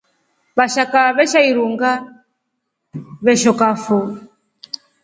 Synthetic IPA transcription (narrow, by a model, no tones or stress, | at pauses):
βaʃakaβɛʃaiɾuŋɡa | βɛʃɔkafu